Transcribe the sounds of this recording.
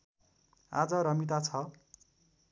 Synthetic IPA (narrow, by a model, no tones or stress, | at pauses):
ad͡zʌɾʌmit̪at͡sʰʌ